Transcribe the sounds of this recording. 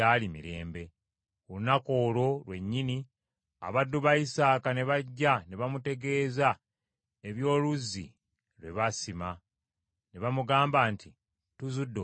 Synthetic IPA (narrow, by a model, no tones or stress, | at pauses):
alimḭɾe̞̰ːmbe̞ | olunako̞ːlo̞lwe̞ɲːini | a̰βadːuβaisaːkane̞βaɟːane̞βamute̞ɡe̞ːza | e̞βjo̞ːluzːḭ | lwe̞βasima | ne̞βamuɡaːmbanti | tuzudːo